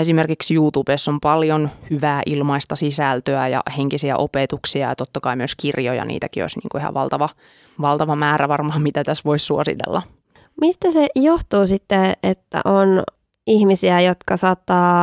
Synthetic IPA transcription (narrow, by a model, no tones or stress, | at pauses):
esimerkiksjuːt̪ub̥esːompɑljonhyʋæːʔilmɑist̪ɑsisælt̪øæjɑ̰heŋkisiæ̰ʔopet̪uksiɑjɑ̰t̪ot̪ːɑkɑimyøskirjojɑ̰nʔḭːt̪ækio̰sʲnḭːŋkuihɑ̰ʋɑlt̪ɑʋɑ | ʋɑlt̪ɑʋɑmæːɾæʋɑrmɑmit̪æt̪æsʋoissuosḭt̪ḛlːɑ | mist̪æsejoht̪uːsit̪ːeet̪ːæ̰ʔon | ihmisiæjot̪kɑsɑːt̪ːɑː